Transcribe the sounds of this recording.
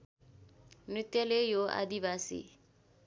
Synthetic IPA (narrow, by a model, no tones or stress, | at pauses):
mnɾit̪jʌlejoʔa̰d̪iβaːsḭ